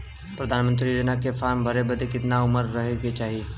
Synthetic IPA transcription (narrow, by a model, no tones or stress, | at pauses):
pɾɐd̪ʱaːnmə̃nt̪̬ɾid͡ʒənakefaːɾmbʱɐɾebɐd̪ʱekɪt̪naʊməɾːɐɦeɡet͡ʃaːɦie